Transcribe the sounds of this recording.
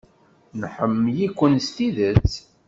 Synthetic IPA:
nħəmːjikʷːənst̪iðət͡sː

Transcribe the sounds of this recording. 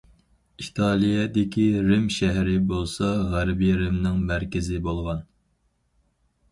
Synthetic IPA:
it̪ʰɑlˠijɛd̪ɪkʲʰiɾɪmʃæɦɾɪbolˠsɑʁæɾbiɾɪmnɪŋmæɾkʲɪzɪbolˠʁɑn

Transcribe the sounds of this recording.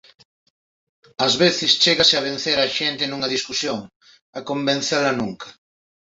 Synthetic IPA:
ɐzβeθɪst͡ʃeɣaseaβ̞en̟θeɾaʃent̪enũŋɐðiskusjoŋ | akombẽn̟θeɾlanuŋkḁ

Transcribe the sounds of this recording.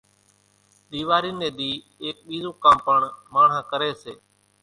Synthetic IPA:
ɗ̪iːʋaːɾineːɗ̪iː | eːk̚ɓiːzũːkãːmpəɳmaːɳ̤ãːkəɾeːseː

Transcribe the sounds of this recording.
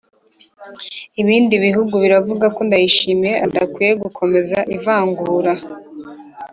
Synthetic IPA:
iβiːndiβiɦuɡuβiɾavuɡako̞ndajiʃimije̞ʔadakwiːje̞ɡukʰo̞me̞zaʔivaːŋɡuːɾa

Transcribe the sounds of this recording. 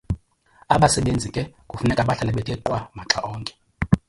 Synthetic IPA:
aɓasɛɓend͡zʱikʼɛkʼufunɛkʼaɓaɬalɛɓɛtʼɛǃwamaǁaʔɔːŋkʼɛ̥

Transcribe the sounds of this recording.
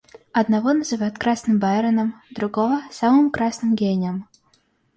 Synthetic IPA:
ɐd̪nɐvɔnɐzɨvajʊt̪kɾasnɨmbaɾɐnəmd̪ɾʊɡɔvɐsamɨmkɾasnɨmɡʲenʲɪəm

